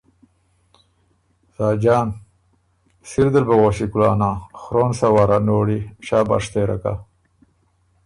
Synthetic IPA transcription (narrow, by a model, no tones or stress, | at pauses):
zaːd͡ʒɑːn | siɾd̪əlbɐɣoʃikulaːnaxɾoːnsawaɾanoːɽiʃaːba̰ʂt̪eɾa̰ka̰